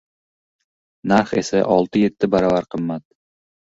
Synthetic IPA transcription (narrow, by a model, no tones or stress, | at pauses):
naɾχe̞̰sa̰ʔɒlˠt̪ʰɪje̞t̪ʰːɪbaɾɒvaɾqʰɨmːat̪̚